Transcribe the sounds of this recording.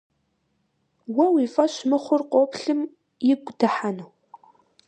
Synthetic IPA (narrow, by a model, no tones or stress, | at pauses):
wɐwifɐɕmɨχʷʊrqʷʼoːpɬɨm | jɪɡʷdɨħanɨw